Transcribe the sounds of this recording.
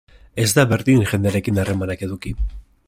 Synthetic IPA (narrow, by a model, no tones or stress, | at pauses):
e̞zd̪aβe̞ɾðiŋʝe̞nd̪eaɾe̞kinare̞manake̞ðuki